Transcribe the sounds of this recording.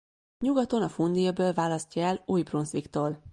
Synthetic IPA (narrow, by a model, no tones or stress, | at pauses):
ɲuɡɒt̪o̞nɒfund̪ijɒbøːlvaːlɒstcɒɛluːjbrunsʋikt̪oːl